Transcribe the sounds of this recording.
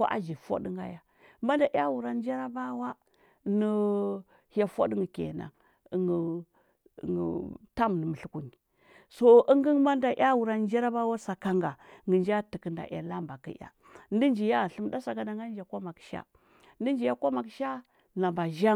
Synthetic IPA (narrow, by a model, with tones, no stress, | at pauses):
ko̰˦ʔa̰˦d͡ʒi˨fo̰˦də˦ŋɡa̰˦ja˦ | ma˦nda˨ʔja˦wu˨ɾa˨˦d͡ʒa˦ɾa˦ba˦wa˦ | nə˨ | ha˨fo̰˦dŋɡə˨kḛ˨na̰˨ŋ | ə˨ŋɡə̰˨ | ŋə̰˨ta˦m˨nə˨mə˨ɬu˦ku˨ni˨ | so˦i˦ŋɡə˦ŋma˦nda˨ʔja˦wu˨ɾa˨˦d͡ʒa˦ɾa˦ba˦wa˦sa˨ka˦ŋɡa˨ŋɡə˨nd͡ʒa˦ti˨kə˨nda̰˨ʔja̰˨la˦mba˨kḭ˦ja̰˨ | n˦di˦nd͡ʒi˨ja˦˨ɬə˦m˦da˦sa˨ɡa˨da˨ŋɡa˦n˦d͡ʒa˨kʷo˦ma˨kʃa̰˦ | ndi˦nd͡ʒi˨ja˦ko˦ma˨kʃa˦ | na˨mba˨ʒa˦